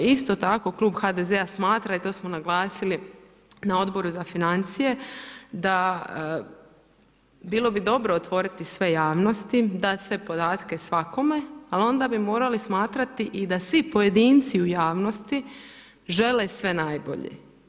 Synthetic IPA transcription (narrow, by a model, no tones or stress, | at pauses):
ist̪o̞t̪ako̞kluːbxad̪ezeasmaːt̪ɾait̪o̞smonaɡlaːsili | nao̞d̪bo̞ɾuzafinant̪sije̞d̪a | biːlo̞bid̪o̞bɾoːt̪ʋo̞ɾit̪isʋe̞jaːʋno̞st̪id̪at̪sʋe̞po̞d̪aːt̪ke̞sʋako̞me̞alo̞nd̪abimo̞ːɾalismaːt̪ɾat̪iʔid̪asʋipo̞je̞d̪iːnt̪siujaːʋno̞st̪i | ʒe̞lesʋe̞naːjbo̞̰ʎḛ